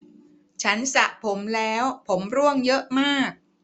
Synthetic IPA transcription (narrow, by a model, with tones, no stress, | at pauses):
t͡ɕʰa˦˥nsa˨˩ʔpʰo˩˦mlɛː˦˥wpʰo˩˦mɾu˥˩əŋjɤ˦˥ʔmaː˥˩k̚